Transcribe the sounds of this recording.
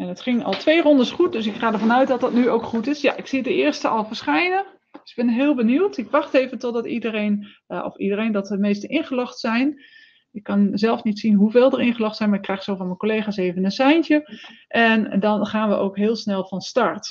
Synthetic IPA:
ɛnətχɪŋɑ̰lˠtʋejrɔndəsχut̚dɵsɪkχaːdəɹvɑnœɥt̚dɑt̚dətnyowkχutɪsja̰ʔɪksidəɪːɹstəʔɑ̰lˠvəɹsχɛjnə | ɪɡbɪnɦɪːlˠbəniwtɪkʋɑχtejvəntɔt̚dɑtidərejn | ɔ̰fidərejndɑtəmejstəʔɪnχəlɔχtsɛjn | ɪkːɑnzɛlˠfnitsinɦuveːlˠdərɪnχəlɔχtsɛjnmaːɹɪkːrɛjχsowvɑnmənkolejχaːsejvənənsɛjntəʔɛndɑnχaːnʋəʔo̰wkɦɪːlˠsnɛlˠvɑnstɑɹt

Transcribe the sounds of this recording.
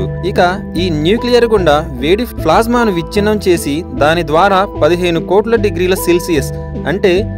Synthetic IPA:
uikɐ | iːnjuːklijɐɾɡuɳɖaːʋeːɽipʰlaːzmaːnuʋit͡ʃːinːɐmt͡ʃe̞ːsid̪aːnid̪ʋaːɾaːpɐd̪iɦɐjnukoːʈlɐɖiɡɾiːlɐsilsijɐs | ɐɳʈe̞ː

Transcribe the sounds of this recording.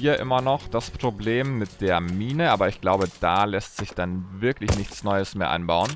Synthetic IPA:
iːɐʔɪ̰mɐnɔχd̥aspʁ̥obleːmːɪt̚d̥eːɐmiːnəʔaːbɐɪçɡ̥laʊbəd̥aːlɛstz̥ɪçd̥anvɪɐklɪçnɪçt͡snɔʏəsmeːɐʔa̰ɪnbaʊən

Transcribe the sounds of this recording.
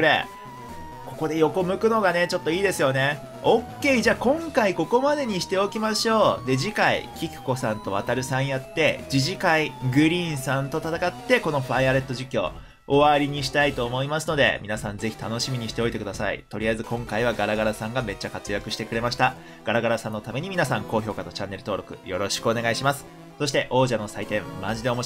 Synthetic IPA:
ɾḛ | ko̞ko̞d̪e̞jo̞ko̞mɯ̟kɯ̟no̞ɡane̞t͡ɕo̞t̪ːo̞iːd̪e̞sɨjo̞ne̞ | okʲːe̞ːiʑaːkõ̞ŋkaiko̞ko̞mad̪e̞ɲ̟iɕi̥t̪e̞o̞kʲimaɕo̞ːd̪e̞d͡ʑikaḭkʲikɯ̟̥ko̞sãnt̪o̞βat̪aɾɯ̟sãɰ̃jat̪ːe̞d͡ʑiʑikaiɡɯ̟ɾʲĩːɰ̃sãnt̪o̞t̪at̪akat̪ːe̞ko̞no̞ɸaiaɾe̞t̪ːo̞ʑikʲo̰ | oβaɾʲiɲ̟iɕ̬i̥t̪ait̪o̞ːmo̞imasɨno̞d̪e̞̰mʲinasãnze̞çʲi̥t̪ano̞ɕimʲiɲ̟iɕi̥t̪e̞o̞it̪e̞kɯ̟d̪asa̰ḭt̪o̞ɾʲiaizɨkõ̞ŋkaiβ̞aɡaɾaɡaɾasãŋɡame̞t͡ɕːakat͡sɨjakɯ̟ɕi̥t̪e̞kɯ̟ɾe̞maɕi̥t̪a | ɡ̥aɾaɡaɾasãnːo̞t̪ame̞ɲ̟imʲinasãŋko̞ːço̞ːkat̪o̞t͡ɕãnːe̞ɾɯ̟t̪o̞ːɾo̞kɯ̟̰jo̞ɾo̞ɕi̥kɯo̞ne̞ɡaiɕimasɨ̥ | so̞ɕ̬it̪e̞ʔo̞ːʑano̞sait̪ẽ̞mmaʑid̪e̞omo

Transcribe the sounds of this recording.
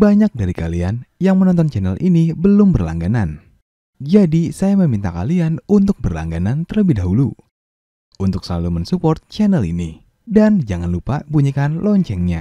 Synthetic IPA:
baɲak̚daɾika̰lianjaŋmənɔnt̪̬ɔnt͡ʃɛnəlʔinibəlʊmbərla̰ŋɡanan | d͡ʒadisajaməmint̪aka̰lianunt̪ʊk̚bərla̰ŋɡanant̪ərləbɪhdaɦulu | unt̪ʊk̚səlalumənsupɔrt̪̚t͡ʃɛnəlḭni | dand͡ʒaŋanlupabuɲikanlɔɲt͡ʃɛŋɲa̰

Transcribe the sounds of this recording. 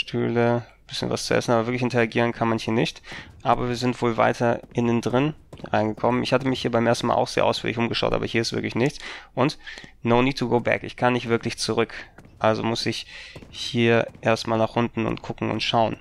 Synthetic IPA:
ʃtʰy̰ːlə | b̥ɪsçə̰nva̰st͡suʔɛ̰sn̩ʔaːbɐvɪɐklɪçɪntɛaɡiːʁ̞ənkʰanmanhiːɐnɪçtʔaːbɐviːɐzɪntv̥oːlva̰ɪtʰɐʔɪnɪndʁɪnʁa̰ɪnɡəkʰɔmənɪ̰çhatəmɪçhiːɐbaɪmʔeːɐstn̩ma̰ʔaʊxz̥ḛːɐʔaʊfyːɐlɪçʔʊmɡəʃaʊtʔa̰ːbɐhiːɐɪstv̥ɪ̰ɐklɪçnɪçt͡sʔʊntnoʊniːtʰuɡoʊbɛ̰kɪçkʰanːɪçtv̥ɪɐklɪçt͡suʁʏkʔalzomʊsɪçhiːɐʔeːɐstmaːlnaːχʔʊntn̩ʊ̰ntkʰʊkŋ̩ʊ̰ntʃaʊən

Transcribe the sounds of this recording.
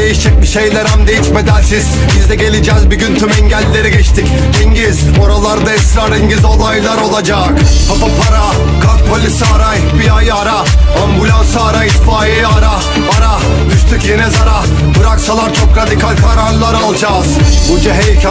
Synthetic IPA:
ejiʃd͡ʒɛc̚miʃe̞jlʲe̞ɾæmd̪e̞jiʃme̞d̪ænʲsiz̥ | bizd̪ɛɟe̞lʲid͡ʒɛːzbyɟynt̪ʰymɛɲɟælʲːe̞ɾiɟɛt͡ʃt̪ʰic | hiɲɟiz | o̞ɾalˠaɾd̪aɛst̪ɾaɾiɲɟizo̞lˠajlˠaɾo̞lˠad͡ʒaːkpʰapapʰaɾa | kʰak̪̚pʰolʲisiaɾaj | biajaɾaambulʲansaɾajit̪faːjejaɾa | aɾa | yʃt̪ʰycjenɛzaɾa | bɯɾaksalˠaɾt͡ʃʰo̞kɾad̪ikʰalʲkʰaɾanlˠaɾalˠd͡ʒaːzbud͡ʒaɦejcʰ

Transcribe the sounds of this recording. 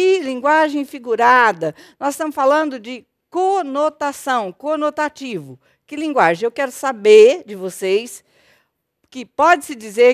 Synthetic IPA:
kɪlĩŋɡwaʒẽj̃fiɡuɾad̪ɐnɔzɪst̪ɐ̃mʊsfalɐ̃nd̪ʊd͡ʒɪ | konot̪asɐ̃w̃konot̪at͡ʃivʊ | kɪlĩɡwaʒẽj̃ewkɛɾʊsabeɾd͡ʒɪvosejs | kɪpɔd͡ʒɪsɪd͡ʒize

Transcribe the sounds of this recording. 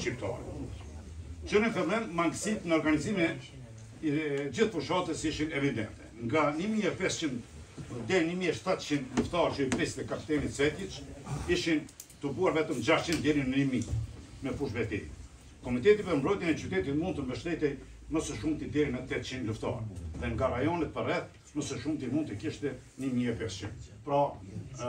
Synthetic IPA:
t͡ʃip̚t̪a̰ɾɛ̰ | t͡ʃəɾinfɛlɛmːaŋɡsit̪nəɔɾɡanizimi | d͡ʑiθfuʃat̪əsiʃinɛvid̪ɛ̰nt̪ɛŋɡanimiɛpɛst͡ʃind̪ | d̪ɛɾinimiɛʃt̪at̪t͡ʃind̪luft̪aɾt͡ʃəipɾist̪ɛkapi̥t̪ɛnit̪sɛt̪jit͡ʃiʃint̪əbuaɾvɛt̪əmd͡ʒaʃt͡ʃind̪ɛɾinnimimɛfuʃvɛt̪ḭ | kɔmit̪ɛt̪ipəɾmbɾɔjt̪jɛnɛt͡ʃyt̪ɛt̪it̪munt̪əmbəʃt̪ɛt̪ɛj | məsɛʃumt̪id̪ɛɾinət̪ɛt̪̚t͡ʃinluft̪a̰ɾðɛŋɡaɾajɔnɛt̪̚pərɛθ | məsɛʃumt̪imunt̪əkiʃt̪ɛ | nimiɛpɛst͡ʃḭnd̪pɾɔ

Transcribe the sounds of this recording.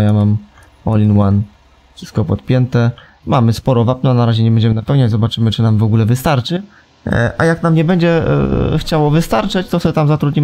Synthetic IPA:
jamam | ɔlʲinwan | fʂɘ̥st̪kɔpɔt̪̚pʲjɛnt̪ɛ | mamɘspɔɾɔvap̚nɔnaɾaʑɛɲɛbɛɲd͡ʑɛmɘnapɛwɲad͡ʑzɔbat͡ʂɘmɘt͡ʂɘnamvɔɡulɛvɘst̪aɾt͡ʂɘ | ʔa̰jaknamɲɛbɛɲd͡ʑɛ̰xt͡ɕawɔvɘst̪aɾt͡ʂɛt͡ɕt̪ɔsɛt̪amzat̪ɾud̪ʲɲim

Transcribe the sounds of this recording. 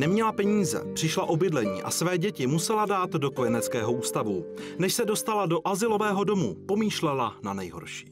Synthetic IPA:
nɛmɲɛlapɛɲiːzɛ̰pr̥ɪʃlaʔo̞bɪdlɛɲḭːʔa̰svɛːɟɛcɪmusɛladaːt̪do̞ko̞jɛnɛt͡skɛːɦo̞ʔuːst̪avunɛʃsɛdo̞st̪alado̞ʔazɪlo̞vɛːɦo̞do̞mṵpo̞miːʃlɛlananɛjɦo̞̰ɾʃi̥ː

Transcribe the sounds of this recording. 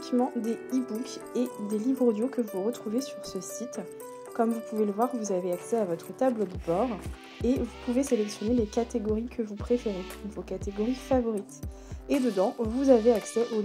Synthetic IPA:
kmɑ̃d̪eibuked̪elibʁod̪jokəvuʁət̪χuvesyʁsəsit̪ | kɔmvupuveləvwaʁvuzaveaksɛavɔt̪χət̪abləd̪əbɔʁ | evupuveselɛksjɔnelekat̪eɡɔʁikʰəvupχefeʁẽvokat̪eɡɔʁifavɔʁit̪ | ed̪əd̪ɑ̃vuzaveaksɛʔo

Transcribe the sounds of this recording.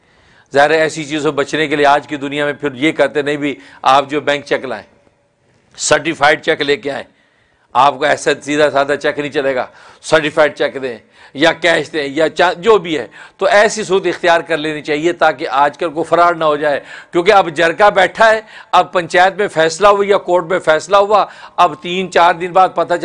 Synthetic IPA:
zaːɦɪɾaɛːsit͡ʃiːzobɐt͡ʃnekelijeaːd͡ʒkid̪ʊnijamẽpʰɪɾjekɐɾt̪enɐɦĩbʱi | aːp̚d͡ʒoːbɛ̃ːŋk̚t͡ʃɛkla̰ːḛ̃ː | səɾʈɪfʰaːɪɖ̚t͡ʃɛkleːkeaːḛ̃ː | aːp̚koɛːsasiːd̪azaːd̪at͡ʃɛknɐɦĩt͡ʃɐleːɡa̰ː | səɾʈɪfʰaːɪɖ̚t͡ʃɛkd̪ẽɛ̃ | jakɛːʃd̪ẽjat͡ʃãːd͡ʒoːbʱiɦɛ̰ːt̪oʔɛːsis̬uːɾət̪ɪxt̪ijaːɾkɐɾleːnit͡ʃaːɦiet̪aːkeʔaːd͡ʒkəlkofʰɐɾaːɾnaɦod͡ʒaːekjõːk̬eɐbd͡ʒɐɾkabɛːʈʰaɦɛːɐb̚pɐ̃ɲt͡ʃaːjət̪mẽfɛːslaɦuijakoːɾʈmẽfʰɛːslaɦuaɐbt̪iːnt͡ʃaːɾd̪ɪnbaːd̪̚pɐt̪at͡ʃ

